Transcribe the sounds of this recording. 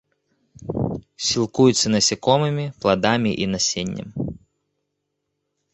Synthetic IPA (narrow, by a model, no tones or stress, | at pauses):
sʲilˠkujut̪sʲːɐnɐsʲikɔmɨmʲiplˠɐd̪amʲiʔinɐsʲenʲːɐ̰m